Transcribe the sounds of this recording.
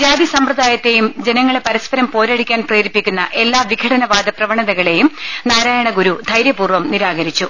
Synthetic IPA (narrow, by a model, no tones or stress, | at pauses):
d͡ʑaːd̪isɐmprɐd̪aːjɐt̪ːe̞jumd͡ʑe̞nɐŋːɐɭepɐɾɐspɐɾɐmpo̞ːɾaːɽikʲːaːnpreːɾipːikʲːunːɐʔe̞lːaːʋiɡʰʱɐɽʰɐnɐʋaːd̪ɐprɐʋɐɳɐðɐɣɐɭe̞jumnaːɾaːjɐɳɐɡuɾud̪ʱɐjɾjɐpuːrʋɐmniɾaːɡɐɾit͡ɕːu